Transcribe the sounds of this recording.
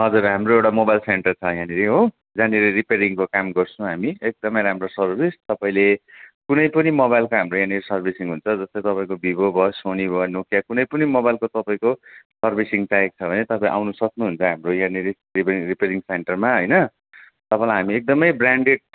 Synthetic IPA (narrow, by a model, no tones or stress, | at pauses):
ɦʌd͡zuɾɦamroewʈamobajlseɳʈʌrt͡sʰʌjãniɾiɦo | d͡zaniɾʌripeɾiŋkokamɡʌrt͡sʰʌ̃ɦamiek̚d̪ʌmʌjɾamrosʌrbʱist̪ʌpaĩlekunʌjpʌnimoβajlkoɦamrojãnisʌrbʱisiŋɦunt͡sʰʌd͡zʌst̪ʌjt̪ʌpaĩkobibobʱʌsonibʱʌnokjakunʌjpʌnimobajlkot̪ʌpaĩkosʌrbʱisiŋt͡saek̚t͡sʰʌbʱʌnet̪ʌpãĩʔa̰wnusʌk̚nuɦunt͡sʰʌɦamrojãniɾi | ripeiŋripeɾiŋseɳʈʌrmaɦʌjnʌ | t̪ʌpãlajɦamiek̚d̪ʌmʌjbraɳɖeɖ̚